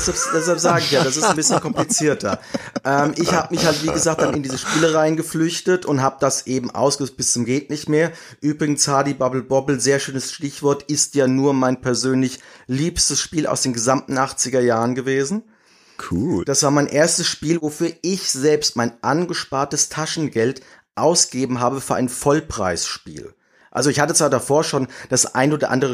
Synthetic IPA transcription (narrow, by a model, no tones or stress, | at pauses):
ɛsapd̥ɛs̬halpz̥aːɡəɪçjaːdasɪsnbɪsçənkʰɔmplit͡siːɐtʰɐʔɛːmʔɪçhaːbəmɪçhaltv̥iːɡəzaːk̚t̚d̥anɪndiːzəʃpiːləʁaɪnɡəflʏçtətʊntɦaːbəd̥asʔeːbm̩ʔa̰ʊsɡ̥əzt̚b̥ɪst͡sʊmɡeːtnɪçtmeːɐ | ʔyːbʁɪɡn̩shaːdibabl̩bɔbl̩zeːɐʃøːnəsʃtɪçv̥ɔɐtɪstjaːnuːɐmaɪnpʰɛɐzøːnlɪçliːpstəsʃpiːlʔa̰ʊsd̥eːnɡəzamtn̩ʔaχt͡sɪɡɐjaːʁənɡəveːzn̩ | kʰud̥asv̥aːɐmaɪnʔeːɐstəsʃpiːlvofyːɐʔɪçz̥ɛlpstmaɪnʔanɡəʃpaːɐtəstʰaʃn̩ɡɛlt | ʔaʊsɡ̥ɡeːbm̩ɦaːbəfyːɐʔa̰ɪnfɔlpʁ̥a̰ɪsʃpḭːl | ʔa̰lzoɪçhatət͡sv̥aːɐdafoːɐʃoːnd̥asʔa̰ɪnʔoːdɐʔa̰ndəʁə